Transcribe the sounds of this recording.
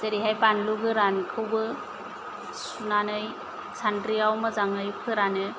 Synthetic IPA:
zeɾiɦajpanluɡɯɾankʰɯwbɯ | sunanɯj | sʰandɾiawmɯzaŋɯjpʰɯɾanɯ

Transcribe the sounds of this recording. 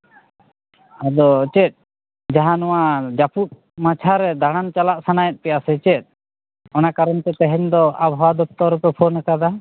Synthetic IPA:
ad̪ɔt͡ʃɛt̪̚ˀ | d͡ʒaɦanɔwad͡ʒaput̪̚ | mat͡ʃʰaɾɛd̪aɽ̃ant͡ʃalaʔsanajɛt̪̚pɛjasɛt͡ʃɛt̪̚ˀ | ɔnakaɾɔnt̪ɛt̪ɛɦɛɲd̪ɔabʱawad̪ɔp̚t̪ɔɾupɛpʰɔnakad̪a

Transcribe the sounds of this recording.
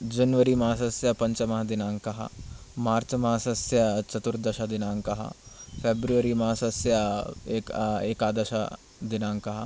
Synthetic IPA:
d͡ʒɐnʋəɾimɐɦasɐsjapɐ̃ɲt͡ʃəmɐɦd̪ɪnãːŋkɐɦa̰maːɾt͡ʃmɐɦsɐsjat͡ʃɐt̪uɾd̪ɐʃad̪ɪnãːŋkɐɦa̰fʰeːbɾuʋəɾimɐɦasɐsjaekeːkaːd̪əʃa | d̪ɪnãːŋkɐɦa

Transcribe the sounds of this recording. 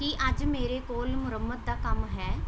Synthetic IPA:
kiʔəd͡ʒmeːɾekoːlmʊɾəmːət̪̚d̪aːkəmɦɛː

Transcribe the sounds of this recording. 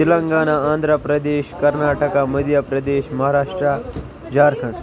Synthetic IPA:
ilɐŋɡaːnaãːnd̪ʱɾəpɾɐd̪eːʃkɐɾnaːʈəkaməd̪jəpɾɐd̪eːʃmɐɦaɾaːʂʈɾa | d͡ʒaːɾkʰɐɳ

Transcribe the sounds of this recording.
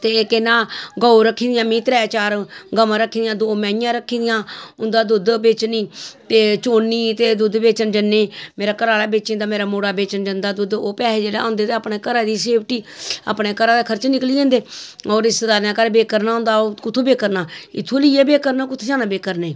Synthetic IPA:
t̪eːkenãːɡɔːoɾəkʰːiːd̪ɪjãːmĩːt̪ɾɛːt͡ʃaːɾɡəmãːɾəkʰːiːd̪ɪjãːd̪oːmɛ̃ːjãːɾəkʰːiːd̪ɪjãːʊnd̪aːd̪ʊd̪beːt͡ʃniːt̪eːt͡ʃoːnːiːt̪eːd̪ʊd̪beːt͡ʃənd͡ʒənːeːmeːɾaːkəɾaːlaːbeːt͡ʃẽːnd̪aːmeːɾaːmoːɽaːbeːt͡ʃənd͡ʒənd̪aːd̪ʊd̪oːpɛːleːd͡ʒeːɽa̰ːõːnd̪eːt̪eːaːpneːkəɾaːd̪iːseːpʰʈiːa̰ːpneːkəɾaːd̪eːkʰəɾt͡ʃnɪkliːd̪ẽːnd̪eːɔːɾɪst̪əd̪aːɾnãːkəɾbeːkəɾnaːɦʊ̃nd̪aːokʊt̪ʰːoːbeːkəɾnaːɪt̪ʰːoːliːeːbeːkəɾnaːkʊt̪ʰːd͡ʒaːnãːbeːkəɾneː

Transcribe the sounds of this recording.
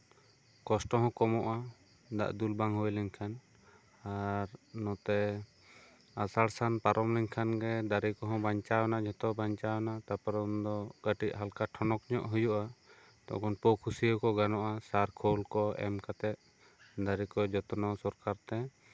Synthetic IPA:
kɔsʈɔɦɔ̃kɔmɔʔa | d̪a̰ʔd̪ulbaŋɦɔjlɛɲkʰan | aɾnɔ̃t̪ɛ | asaɽsanpaɾʔɔmlɛɲkʰanɡɛd̪aɾikɔɦɔ̃baɲt͡ʃawɔnaʔd͡ʒɔ̃t̪ɔbaɲt͡ʃawnat̪apaɾɔnd̪ɔɡ̥aʈiʔɦalkaʈʰɔnɔkɲɔʔɦujɔʔa | t̪ɔ̰ʔkɔnpɔkʰusiəkɔɡanɔʔasaɾkʰɔlkɔɛ̰mkat̪ɛt̪̚ | d̪aɾikɔd͡ʒɔt̪ɔnɔsɔɾkaɾt̪ɛ

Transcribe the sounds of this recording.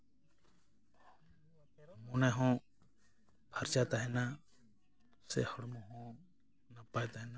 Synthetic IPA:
munaɦɔ̃ | bʰaɾt͡ʃat̪aɦɛna | sɛ̰hɔɽmɔɦɔ̃ | napajt̪aɦɛna

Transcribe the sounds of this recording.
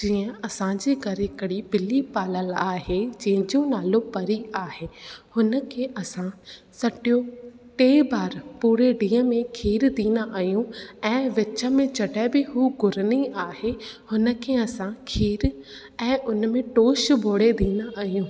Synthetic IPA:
d͡ʑiːə̃ɐsãd͡ʑiːɡʱɐɾɪkəɽibɪlipaːləlaːɦed͡ʑɛ̃ɦɪ̃d͡ʑõnaːlõpɐɾiaːɦeːhʊnə̆kʰeːʔɐsã | sɐʈijo | ʈeːbaːɾpuːɾeɖĩːə̃mẽkʰiːɾd̪ĩːnd̪aʔaːɦjũɛ̃ːʋɪt͡ɕə̆mẽt͡ɕɐɖɛbɪɦuːɡʊɾniaːɦehʊnə̆kʰeɐsãkʰiːɾ | ɛ̃ːʔʊnəmẽʈoːʃbʱoːɽed̪ĩːnd̪aʔːɦijũː

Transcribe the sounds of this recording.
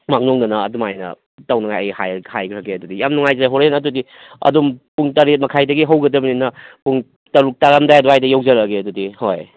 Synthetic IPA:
mak̚nɔŋdɐnɐːdumajnɐ̰ | tawnɐŋajɐ̰jha̰jhajɡɾʰakːeɐdudijamnuŋajzaɦoɾenɐdudi | ɐ̰dumpuŋtaɾet̚mɐkʰajdɐɡiɦɐwɡɐdɐbɐninɐpuŋ | tɐɾuk̚taɾamdajɐdɔɦajdɐjawzɐɾɐɡeɐdudihoj

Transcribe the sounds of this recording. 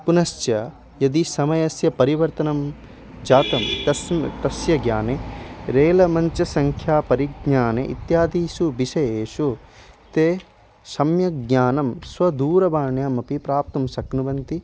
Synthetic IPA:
punɐʃt͡ʃjɐ | jɐd̪isɐmɐjɐsjɐpɐɾiʋɐɾt̪ɐnɐm | d͡ʒaːt̪ɐmɐst̪ɐsjɐɡjaːneɾeːlɐmɐɲt͡ʃɐsɐŋkʰjaːpɐɾiɡɲaːnḛʔḭt̪jaːd̪iːʃubiʃɐjeːʃu | t̪eː | sɐmjɐɡɲaːnɐmsʋɐd̪uːɾɐʋaːɳjaːmɐpipɾaːp̚t̪ɐmsɐknuʋɐnt̪i

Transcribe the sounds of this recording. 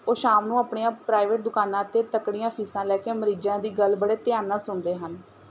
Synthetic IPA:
oːʃaːmnũːaːpɳeːãːpɾaːɪʋeːʈ̚d̪ʊkaːnãːət̪eːt̪əkɽijãːpʰiːsãːlɛːkeːməɾiːd͡ʒãːd̪iːɡəlbəɽeːt̪ɪjaːnːãːsʊɳd̪eːɦən

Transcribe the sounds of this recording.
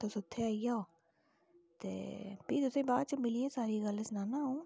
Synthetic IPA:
t̪osʊt̪ʰːeaijao | t̪ḛːpit̪ʊsẽbaːt͡ʃəmɪliesaːɾiɡɐlsnaːnaɦõː

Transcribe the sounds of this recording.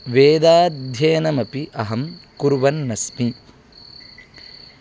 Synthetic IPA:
ʋeːd̪aːd̪ʱjɐjnɐmɐpiʔɐɦɐmkuɾʋɐnːɐsmi

